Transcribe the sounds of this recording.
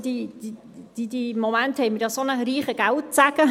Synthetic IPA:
d̥̪idi | d̥̪id̪imomænthɛɪmɪɾjɑsonəɾiːχəɡ̥æwtt͡sæɡ̥ə

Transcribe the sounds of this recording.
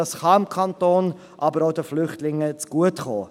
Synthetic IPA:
ɑsχɑɪmkʰɑntoːn | ʔɑbəɾoʊdəflʏχtlɪŋːət͡sɡ̥uətχo̰ː

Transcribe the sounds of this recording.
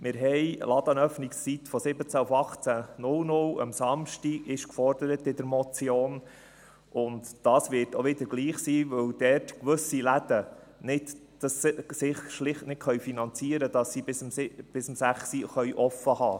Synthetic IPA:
mɪɾɦɛjlɑd̪ɑnœfnikst͡sit̪fɔsɪbət͡sæʊfɑχt͡sænʊlnʊlə̰msɑmʃtiɡɪʃkfɔrdəɾət̪ɪd̪əɾmɔt͡sjoːn | ʔʊntd̥ɑːsʋɪɾtoʋɪd̪əɾɡ̥liːχsiːʋɵwd̥ɛːɾtkʋɵsilæd̥ə | nɪtd̥ɑssɪχʃlɪχtnɪt̚kχœɥfinɑnt͡siəɾədɑsːibɪsmɪb̥ɪsəmsæχsiχœɥʔɔfəhɑː

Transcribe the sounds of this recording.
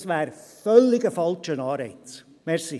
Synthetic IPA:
sʋɛːɾfœlːɪɡəfɑlt͡ʃənɑːɾɛ̰ɪt | mɛɾsi

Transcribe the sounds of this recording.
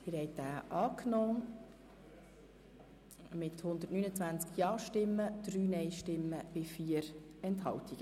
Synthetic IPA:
ɪɾhɛɪt̚d̥æːʔɑːknɔː | mɪthʊnd̪ətnyːnət͡sʋænt͡skjɑːʃtɪmːəd̪̥ɾyːnɛɪʃtɪmːəb̥ɪfiːəɾɛnthɑ̰ltiɡ̥ə

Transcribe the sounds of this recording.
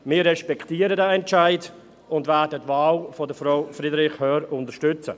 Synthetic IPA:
mɪːɐɾɛʃpɛkʰtiːəɾədaɛntt͡ʃaɪd | ʊndvɛdətvaːlfɔdəfɾɔʊfɾidɾɪχhœːɾʊndəʃtʏt͡sə̰

